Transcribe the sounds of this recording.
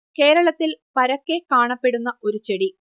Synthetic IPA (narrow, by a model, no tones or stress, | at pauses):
ke̞ːɾɐɭɐt̪ːilpɐɾɐkːe̞kaːɳɐpːe̞ɽunːɐo̞ɾut͡ɕeɽi